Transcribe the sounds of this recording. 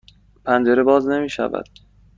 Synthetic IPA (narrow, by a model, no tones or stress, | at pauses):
pʰænd͡ʒe̞ɾebɒːzne̞miːʃæ̰væ̰d̪̥